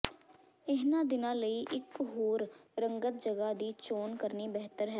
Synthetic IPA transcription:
ɪɦnãːd̪ɪnãːləiːʔɪkːʊɦuːɾɾə̃ŋɡət̪̚d͡ʒəɡaːd̪iːt͡ʃoːnkəɾnibɛɦt̪əɾɦɛː

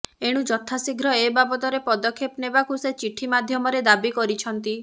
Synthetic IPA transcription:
eɽ̃ud͡ʒɔt̪ʰasiɡʱɾɔebabɔt̪ɔɾepɔd̪ɔkʰːepnebakuset͡ʃiʈʰimad̪ʱjɔmɔɾed̪abikɔɾit͡ʃʰɔnt̪i

